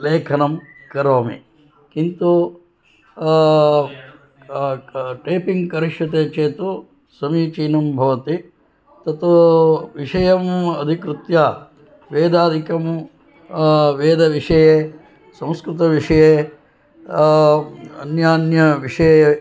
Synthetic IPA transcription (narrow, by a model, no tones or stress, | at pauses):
leːkʰɐnɐm | kɐɾoːmḭ | kint̪u | ʈɐːpiŋɡkɐɾiʃʋɐt̪eːt͡ʃeːt̪u | sɐmiːt͡ʃiːnɐmbʱɐʋɐt̪i | t̪ɐt̪uʋiʂɐjɐmɐd̪ʱikɾut̪jaː | ʋeːd̪aːd̪ʱikɐm | ʋeːd̪ɐʋiʂɐjeː | sɐ̃m̃skɾɪt̪ɐʋiʂɐjeː | ɐnjaːnjɐʋiʂɐje